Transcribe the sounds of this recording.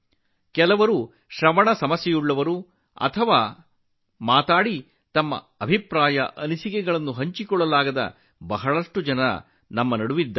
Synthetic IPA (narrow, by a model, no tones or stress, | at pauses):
kɛlɐʋɐɾu | ʃɾɐmɐɳɐsɐmɐsjɛjuɭːɐʋɐɾu | ɐ̰t̪ʰɐʋaː | maːt̪aːɽi | t̪ɐmːɐ̰ | ɐbʱipɾaːjɐ̰ʔɐnisikɛɡɐɭɐnːuɦɐɲt͡ʃikɔɭːɐlaːɡɐd̪ɐ̰ | bɐɦɐɭɐʂʈud͡ʒɐnɐ | nɐmːɐnɐɽuʋid̪ːɐ